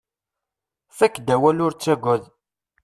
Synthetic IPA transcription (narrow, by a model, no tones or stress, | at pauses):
θækːd̪æwælʊɾt͡sːæɡʷæð